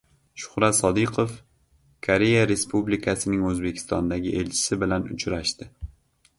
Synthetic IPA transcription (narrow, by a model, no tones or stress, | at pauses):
ʃʊ̥χɾat̪sɒd̪ɪqʰof | kʰoɾe̞jaɾe̞spublɪkʰasɪnɪŋɵzbekʲʰɪ̥st̪ɒnd̪aɡʲɪʔe̞lt͡ʃʰɪ̥sɪbɪlanʊ̰t͡ʃʰɾaʃt̪ɪ